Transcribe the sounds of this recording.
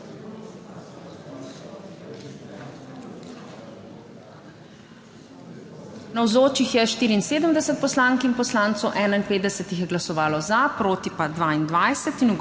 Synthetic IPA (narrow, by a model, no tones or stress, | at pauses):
nawzoːt͡ʃixjɛʃt̪iːɾiːnseːd̪əmd̪ɛsɛt̪̚pɔslaːŋkinpɔslaːnt̪sɔwʔɛːnainpeːd̪d̪ɛsɛt̪ixjɛɡlasɔʋaːlɔzapɾoːt̪ipad̪ʋaːind̪ʋajsɛt̪inuɡ